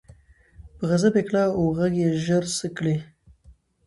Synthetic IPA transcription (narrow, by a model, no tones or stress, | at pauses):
pəɣazabeklɑoɣaɡjeʒəɾsəkɽi